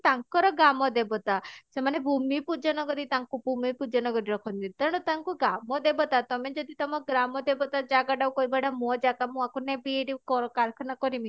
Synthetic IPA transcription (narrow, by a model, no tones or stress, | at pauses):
t̪aŋkɔɾɔɡamɔd̪ebɔt̪asemanebʱumipud͡ʒɔnɔɡɔɾit̪aŋkubʱumipud͡ʒɔnɔɡɔɾiɾɔkʰɔnt̪it̪aɾɽ̃ɔt̪aŋkuɡamɔd̪ebɔt̪at̪ɔmed͡ʒɔd̪ʱit̪ɔmɔɡɾamɔd̪ebɔt̪ad͡ʒaɡaɖawkojbaɽamɔd͡ʒakamũakunebieɖikɔɾɔkaɾkʰɔnakɔɾimi